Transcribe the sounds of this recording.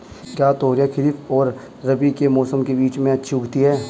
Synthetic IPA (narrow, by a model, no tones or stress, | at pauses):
kjaːt̪oːɾjakʰɪɾifɔːɾː | ɐbikemɔːsəmkebiːt͡ʃmẽɐtːʃʰiʊɡt̪iɦɛː